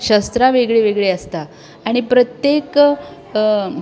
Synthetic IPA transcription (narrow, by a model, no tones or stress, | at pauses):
ɕəst̪ɾaʋeɡɭeʋeɡɭeəst̪aː | ɽ̃ipɾət̪jek